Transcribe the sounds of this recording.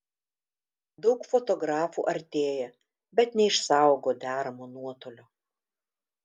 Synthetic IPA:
d̪ɒʊkfɔt̪ɔɡɾɑːfṵːʔɐɾʲt̪ʲeːjɛ | bʲɛt̪nʲɛɪʃsɑˑʊɡoːd̪ʲæːɾɐmoːnuɔt̪oːlʲoː

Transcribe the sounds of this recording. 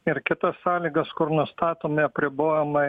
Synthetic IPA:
ɪɾkʲɪt̪ɐsːɑːlʲiːɡɐskʊɾnʊst̪ɑːt̪oːmʲɪɐpʲɾʲɪboːjɛmɐ

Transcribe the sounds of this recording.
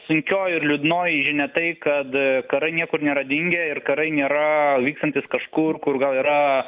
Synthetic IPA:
sʊŋʲkʲoːjɪrlʲʊd̪noːjɪʒʲɪnʲɛt̪ɐɪkɐt̪kɐɾɐɪnʲiɛkʊrnʲeːɾɐd̪ʲɪŋʲɡʲɛɪrkɐɾɐɪnʲeːɾɐʋʲiːkst̪ɐnʲt̪ʲɪskɐʃkʊrkʊrɡɐlˠiːɾɐ

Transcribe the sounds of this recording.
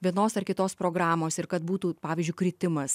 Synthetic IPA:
ʋʲiɛnoːsɐrkʲɪt̪oːspɾoːɡɾɑːmoːsɪɾkɐt̪̚buːt̪uːpɑːʋʲiːzʲd͡ʒʲʊɪkɾʲɪt̪ʲɪmɐs

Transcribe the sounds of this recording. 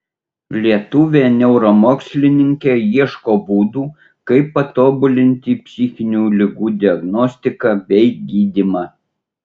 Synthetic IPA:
lʲiɛt̪ʊʋʲeːnʲɛʊɾomoːksʲlʲɪnʲɪŋʲkʲeːjiɛʃkoːbuːd̪uː | kɐɪpːɐt̪oːbʊlʲɪnʲt̪ʲipʲsʲɪxʲɪnʲuːlʲɪɡuːd̪ʲɪɐɡnɔsʲt̪ʲɪkɑːbʲɛɪɡʲiːd̪ʲɪmɑ

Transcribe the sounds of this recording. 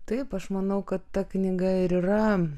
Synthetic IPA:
t̪ɐɪpɐʃmɐnɐʊkɐt̪ːɐknʲɪɡɐɪɾiːɾɐ

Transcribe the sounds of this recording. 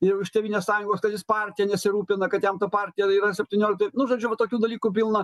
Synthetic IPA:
jɛʊɪʃt̪ʲeʋiːnʲeːsɑːjʊŋɡoːskɐt̪jɪspɑːrʲt̪ʲɪjɛnʲɛsʲɪɾuːpʲɪnɐkɐt̪jɛmt̪ɐpɑːɾʲt̪ʲɪjɛiːɾɐsʲɛpʲtʲɪnʲoːlʲɪkt̪ɐɪnʊʒoːd͡ʒʲʊʋɐt̪oːkʲuːd̪ɐlʲiːkuːpʲɪlˠnɐ

